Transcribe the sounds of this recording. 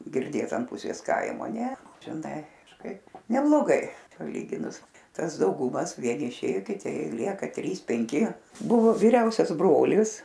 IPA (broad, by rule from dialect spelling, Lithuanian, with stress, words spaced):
ɡʲɪrʲˈdʲeːt ɐn ˈpʊsʲeːs ˈkɐɪmoː nʲɛ ʒʲɪˈnɐɪ kɐʃˈkɐɪp nʲɛblˠoːˈɡɐɪ pɐˈlʲiːɡʲɪnʊs ˈtɐs dɐʊˈɡʊmɐs ˈʋʲiɛnʲɪ ɪˈʃʲeːjoː kʲɪˈtʲɪ ˈlʲiɛkɐ ˈtʲrʲiːs pʲɛŋʲˈkʲɪ ˈbʊʋoː ʋʲiːˈrʲɛʊsʲɛs ˈbroːlʲɪs